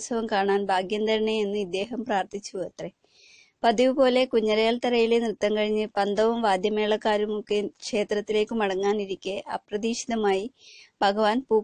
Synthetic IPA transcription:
sʰɐʋɐmkaːɳaːnbʱaːɡjɐnd̪ɐɾɐɳeenːuid̪ːe̞ːɦɐmpraːrt̪it͡ɕːuɐt̪re | pɐdiʋɨpo̞ːle̞kuɲːɐɾɐjaːlt̪ɐɾɐjilenrɨt̪ːɐmkɐɻiɲːɨpɐnd̪ʱɐʋɐmʋaːd̪jɐme̞ːɭɐkːaːɾumukːekʂe̞ːt̪rɐt̪ːile̞ːkːɨmɐɽɐŋːaːniɾikʲːeʔɐ̰prɐd̪iːʂiðɐmaːjibʱɐɡɐʋaːnpuː

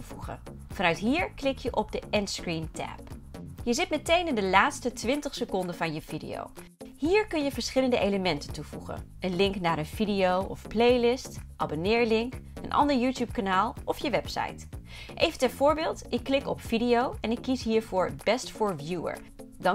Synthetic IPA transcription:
vuχə̰ | vɑnœɥtɦiːɹklɪkjəʔɔb̚dəʔɛnskɹintɛ̰pjəzɪt̚mɛtejnɪndəlaːtstətʋɪntəχsəkɔndənvɑnjəvidḭo̰w | ɦiːɹkɵnjəvəɹsχɪləndəʔejləmɛntəntuv̥uχə̰n | ənlɪŋknaːɾənv̥idijowɔfplejlɪstʔɑbonɪːɹlɪŋkə̰nʔɑ̰ndəɹjuːtjup̚kanaːlˠʔɔfjəʋɛpsɑ̰jt | ʔejvəntɛnv̥ʊːɹbɪːlˠtʔɪkːlɪkɔpfidiowɛnɪkːisɦiːɹvʊːɹbɛstfɔːɹvjuə̰ɹ | dɑ

